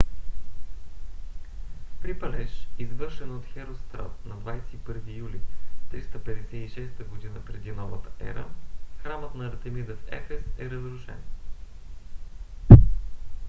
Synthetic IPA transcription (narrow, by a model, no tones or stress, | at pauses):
pɾipɐlɛʃizvɤɾʃɛnot̪xɛɾost̪ɾa̰t̪nɐd̪vajsɛipɤɾvijulit̪ɾist̪əpɛd̪ɛsɛiʃɛst̪əɡod̪inəpɾɛd̪inɔvət̪ə̥ɛ̰ɾə̰xɾamət̪nɐːɾt̪ɛmid̪əfɛ̰fɛsɛɾəzɾʊʃɛ̰n